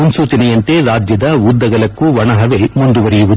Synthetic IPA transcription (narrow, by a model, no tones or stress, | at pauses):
unsuːt͡ʃɐnɐjɐnt̪e̞ɾaːd͡ʒjɐd̪ɐʋud̪ːɐɡɐlɐkːuʋɐɳɐɦɐʋe̞mund̪uʋɐɾijuʋud̪